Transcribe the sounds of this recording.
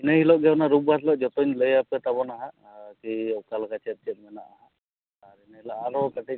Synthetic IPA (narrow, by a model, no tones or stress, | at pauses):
inəɦilɔʔɡɛwnaɾubbat̪lɔʔd͡ʒɔt̪ɔɲləjapɛt̪abɔnaɦa | kikalkat͡ʃeɾ̚t͡ʃɛt̪̚mana̰ʔaɦaː | ɾinaɦilaalɔɔkaʈi